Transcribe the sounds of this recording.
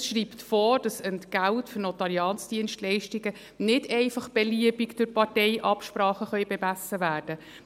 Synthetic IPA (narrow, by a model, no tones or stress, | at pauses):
sʃɾiːptfoːd̥ɑsənɡ̥æltfʏɾnɔt̪ɑliɑːnsd̥iənʃtlɛɪʃtiɡə | nɪdɛɪfɑχb̥ɛliəbiɡd̥ʊɾpɑɾtɛɪʔɑpʃpɾɑːχəχœɥbɛmæsːəvæːrd̥ə